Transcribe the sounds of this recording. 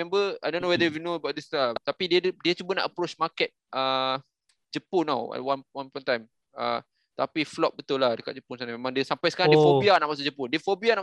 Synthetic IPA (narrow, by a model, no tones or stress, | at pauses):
ɛ̃mbəa̰jdõnːowɛdəifjunõəbawʔd̪islat̪apidiədiət͡ʃubana̰ʔəpɾot͡ʃmakɛt̪̚ʔə | d͡ʒəpʊna̰wa̰wanwanpɔnt̪ajm | ə̰ | t̪apiflɔt̚bət̪ʊlahdəkat̪̚d͡ʒəpʊnsanamemãŋdiəsampajsə̥kaɾãŋdiəfobianaʔmasad͡ʒəpʊndiəfobiana